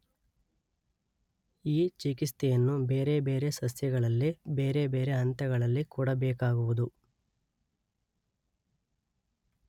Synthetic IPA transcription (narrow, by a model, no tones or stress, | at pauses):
iːt͡ʃikist̪ɛjɐnːube̞ːɾebe̞ːɾe̞sɐsjɐɡɐɭɐlːibe̞ːɾe̞beːɾe̞ɐnt̪ɐɡɐɭɐlːikuːɽɐbɛːkaːɡuʋud̪u